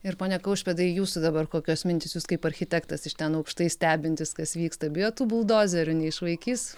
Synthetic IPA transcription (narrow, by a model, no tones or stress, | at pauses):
ɪɾpoːnʲɛkɐʊʃʲpʲɛd̪ɐɪɪjuːsʊd̪ɐbɐrkoːkʲoːsmʲɪnʲt̪ʲɪsjuːskɐɪpɐrʲxʲɪt̪ʲɛkt̪ɐsɪʃt̪ʲɛnɐʊkʃt̪ɐɪsʲt̪ʲæːbʲɪnʲt̪ʲɪskɐsʋʲiːkst̪ɐbʲɪjoːt̪uːbʊlˠd̪oːzʲɛɾʲʊnʲɛɪʃʋɐɪkʲiːs